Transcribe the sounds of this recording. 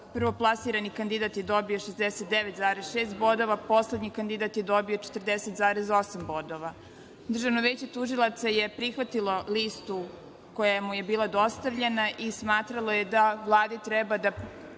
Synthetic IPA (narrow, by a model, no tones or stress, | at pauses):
pr̩ʋoplˠasiːɾanikand̪id̪at̪jed̪o̞bijoʃezd̪eset̪̚d̪eʋet̪zaːɾesʃeːst̪bo̞d̪o̞ʋapo̞sled̪ɲikand̪id̪at̪jed̪o̞bio̞t͡ʃe̥t̪r̩d̪eset̪zaːɾezo̞sambo̞d̪oʋa | d̪r̩ʒaʋnoʋeːt͡ɕet̪uʒilˠat̪sajepɾixʋat̪ilˠo̞list̪u | kojemujebiːlˠad̪o̞st̪aʋʎenaʔismaːt̪ɾalˠo̞jed̪avlˠaːd̪it̪ɾɛbad̪a